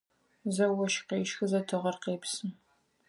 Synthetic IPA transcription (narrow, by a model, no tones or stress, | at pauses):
zɐwɐʃqeːʃxɨzɐtʰɨʁɐrqeːpsɨm